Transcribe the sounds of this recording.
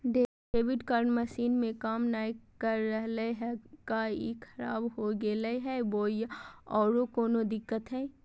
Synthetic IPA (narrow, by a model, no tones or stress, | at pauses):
ɖe | eːʋɪɖkaːɾnmɐʃiːnmẽkaːmnaːikəɾːəɦleɦɛkaikʰɐɾaːbɦoɡeləɦɛboːjɔːɾokoːnod̪ɪkːət̪ɦɛ̃ː